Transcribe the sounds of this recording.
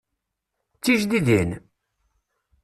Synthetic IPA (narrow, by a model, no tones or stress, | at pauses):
t͡sːiʒðiðin